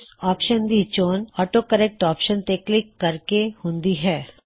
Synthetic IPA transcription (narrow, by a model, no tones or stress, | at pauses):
ɔːpʃənd̪it͡ʃoːnɔːʈokəɾɛk̚ʈɔːpʃənt̪eːklɪkːɐɾkehõːnd̪iɦɛː